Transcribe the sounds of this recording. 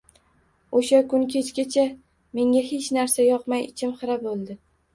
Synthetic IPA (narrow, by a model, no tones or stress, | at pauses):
oʃakʊnkʲʰe̞t͡ʃkʲat͡ʃʰa | me̞ŋʲaɦe̞t͡ʃnaɾsajɒqmajɪt͡ʃʰɪmqɨɾabolˠd̪ɪ